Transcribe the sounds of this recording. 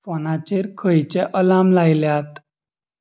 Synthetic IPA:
fɔnat͡ɕeɾkʰəjt͡ɕeʔəlamlajljat̪

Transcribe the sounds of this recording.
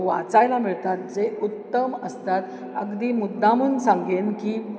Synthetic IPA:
ʋa̰t͡sajlamiɭt̪at̪̚d͡zeut̪ːəməst̪at̪ | əɡd̪iːmud̪ːamunsãŋɡenkiː

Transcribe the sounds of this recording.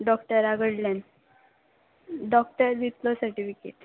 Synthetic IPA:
ɖɔkʈəɾaɡəɽljan | ɖɔk̚ʈəɾd̪it̪lɔsəɾʈifikḛʈ

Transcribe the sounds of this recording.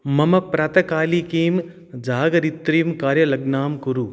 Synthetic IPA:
mɐmɐpɾɐt̪ɐkaːlikiːm | d͡ʒaːɡɐɾit̪ːɾiːmkaːɾjɐlɐɡnaːmkuɾu

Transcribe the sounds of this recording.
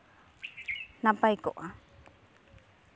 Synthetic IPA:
napajko̰ʔa

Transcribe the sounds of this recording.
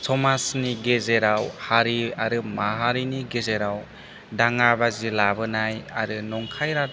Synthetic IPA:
sʰɔmasniɡezeɾawhaɾiaɾɯmaɦaɾiniɡezeɾaw | daŋabazilabɯnajaɾɯnɔŋkʰajɾat

